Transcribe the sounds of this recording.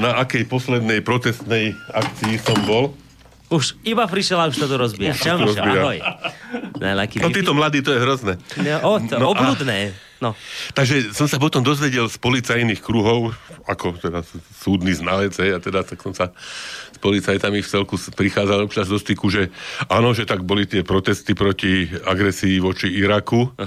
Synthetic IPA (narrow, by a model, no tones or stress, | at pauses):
naʔakɛjpɔslɛd̪nɛjpɾɔt̪ɛst̪nɛjakt͡siisɔmbɔl | uʃibapɾiʃɛlauʃt̪at̪ɔɾɔzbiaɾɔbiaj | na̰lakiɔt̪iːt̪ɔmlad̪iːt̪ɔjɛɦɾɔznɛʔɔnɔɔbud̪nɛː | nɔt̪aɡʒɛsɔmsap̬ɔt̪ɔmd̪ɔzʋɛɟɛlspɔlit͡sajniːxkɾuɦɔʊakɔt̪ɛd̪asuːd̪niːznalɛd͡zɦɛjat̪ɛd̪at̪aksɔmsaspɔlit͡sajt̪amift͡sɛlkuspɾixaːd͡zalɔt͡ʃazd̪ɔst̪ikuʒɛaːnɔʒɛt̪aɡ̚bɔlit̪ɪɛpɾɔt̪ɛst̪ipɾɔciaɡɾɛsiːʋɔt͡ʃiiɾaku